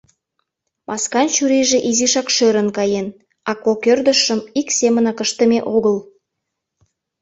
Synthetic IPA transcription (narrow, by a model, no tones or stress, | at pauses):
mʔɑskɑnt͡ɕyɾiʒĕʔiziʃɑkʃøɾə̆nkɑjen | ɑkokørd̪ə̆ʃːəmiksemənɑkəʃt̪ə̆meʔoɣəl